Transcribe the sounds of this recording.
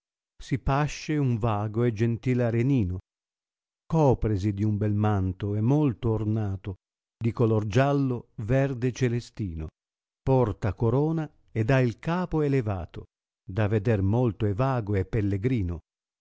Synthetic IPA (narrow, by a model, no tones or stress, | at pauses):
sipaʃːeuɱvaːɡoɛd͡ʒent̪iːlaɾeniːno | kɔːpɾesid̪iumbɛlmant̪oɛmːolt̪oːrnaːt̪o | d̪ikolord͡ʒalːovɛrd̪et͡ʃelest̪iːno | pɔrt̪akoɾɔːna | ɛd̪ailkaːpoeleva̰ːt̪o | d̪aved̪ɛrmolt̪oɛvaːɡoɛpːelːeɡɾiːno